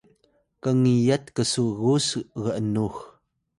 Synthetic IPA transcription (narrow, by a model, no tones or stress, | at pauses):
kaŋijat̪̚kəsuɣusɣəʔənux